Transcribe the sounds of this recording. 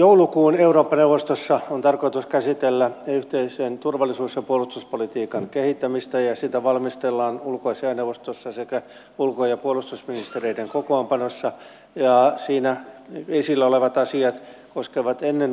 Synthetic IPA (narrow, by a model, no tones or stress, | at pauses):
joulukuːneuroːpːɑneuʋost̪osːɑont̪ɑrkoit̪uskæsit̪elːæyht̪eiseːnt̪urʋɑlːisuːsjɑpuolust̪uspolit̪iːkɑŋkehit̪ːæmist̪æjɑsit̪æʋɑlmist̪elːɑːnulkoɑseɑneuʋost̪osːɑsekæ | ulkojɑpuolust̪usminist̪ereideŋkokoːmpɑnosːɑ | jɑsiːnæesilːæoleʋɑt̪ɑsiɑt̪koskeʋɑt̪enːen